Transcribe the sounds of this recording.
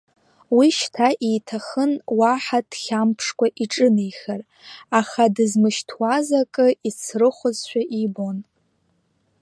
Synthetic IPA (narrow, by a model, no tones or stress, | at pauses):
wiʃtʰaʔejtʰaχənwaħad̥χʲampʰʂkʷʰʼaʔiʈ͡ʂʼɨnejxʲar | aχadɨzmɨʃtʰwazakʼɨit͡sʰrɨχʷʊzʃʷᶣaʔibon